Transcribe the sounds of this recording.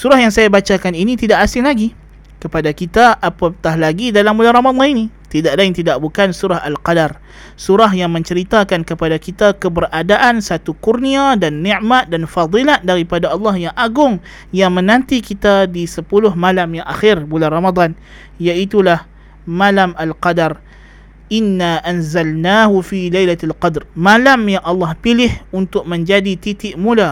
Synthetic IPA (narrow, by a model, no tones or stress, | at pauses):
suɾahɦjaŋsajabat͡ʃakaninit̪idaʔasɪŋlaɡi | kəpadakit̪aʔapat̪ahlaɡidalambulanramad̪ˤɑninit̪idaʔlaɪnt̪idaʔbukansuɾahalqadar | suɾaɦjaŋmə̃ɲt͡ʃəɾit̪akankəpadakit̪akəbərʔadaʔansat̪ukurniadanːɛ̃ʔmat̪̚danfɑd̪ˤilat̪̚daɾipadaɑlːɑhjaŋʔaɡʊŋ | jaŋmə̃nãnt̪ikit̪adisəpulʊɦmalamjaŋʔaxɪrbularamad̪ˤɑn | jaʔit̪ulah | malamalqɑdar | ʔɪnːaʔanzalnaːɦufilajlaalqɑd̪rmalamjaŋʔɑlːɑhpilɪhunt̪ʊk̚mə̃ɲd͡ʒadit̪it̪ɪʔmula